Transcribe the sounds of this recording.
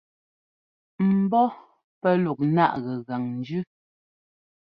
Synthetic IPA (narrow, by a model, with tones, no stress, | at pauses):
m̩˨bɔ˦ | pɛ˦lu˨k̚na̰˦˨ʔɣɛ˨ɣa˨ŋn̩˨d͡ʒʉ˦